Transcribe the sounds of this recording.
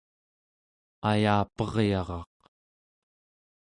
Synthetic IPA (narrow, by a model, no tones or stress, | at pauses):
ajaːpʌʁjɑʁɑq